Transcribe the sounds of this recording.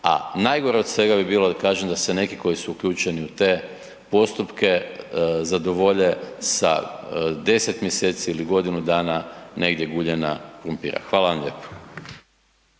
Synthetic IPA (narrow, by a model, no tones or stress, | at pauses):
a̰najɡoɾeod̪sʋe̞ɡabibiːlod̪akaːʒemd̪ase̞ne̞kiko̞jisuukʎʲuːt͡ʃe̞niut̪e̞ː | po̞st̪upke̞zad̪o̞ʋo̞ʎe̞sa̰d̪e̞set̪mjeseːt̪siiliɡo̞d̪inud̪aːnane̞ɡd̪je̞ɡuːʎena̰kpɾumpḭːɾa̰xʋaːlaʋamʎe̞̰ːpo̥